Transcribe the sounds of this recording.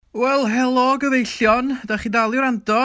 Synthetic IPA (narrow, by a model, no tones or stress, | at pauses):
wɛlˠɦɛlˠɔɡəvejɬjɔndaχidalˠɪɾandɔ